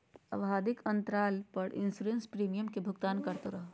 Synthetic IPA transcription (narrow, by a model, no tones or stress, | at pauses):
ɐ̰ʋɦaːd̪ɪkɐ̃nt̪ɾaːlpɐɾʔɪ̰nsuɾenspɾiːmijəmkebʱʊɡt̪aːnkɐɾt̪oɾɐɦo